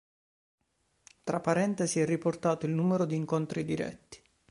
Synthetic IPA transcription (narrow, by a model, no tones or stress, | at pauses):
t̪ɾapːaɾɛnt̪esiɛrːiport̪aːt̪oilnuːmeɾod̪iːŋkont̪ɾid̪iɾɛ̰t̪ːi̥